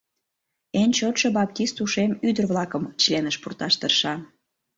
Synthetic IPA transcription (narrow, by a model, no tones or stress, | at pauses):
enʲt͡ɕot̪ʃobɑp̚t̪ist̪uʃemyd̪ərβlɑkəmt͡ɕlenəʃpurt̪ɑʃt̪ərʃɑ